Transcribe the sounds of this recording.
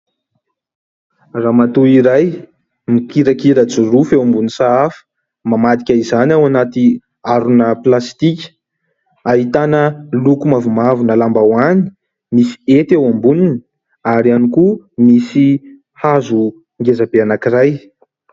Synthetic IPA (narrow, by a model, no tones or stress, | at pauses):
raːmat̪uiɾaj | mikiɾakiɾat͡surufewambunisaafə̥ | mamat̪i̥kʲaizanawanat̪i | aɾunəplast̪ikʲə̥ | aɦit̪anəlukumavumavunəlambawani̥ | misi̥et̪ewambunini | aɾianikumisi | hazu | ŋɡezabeanakiraj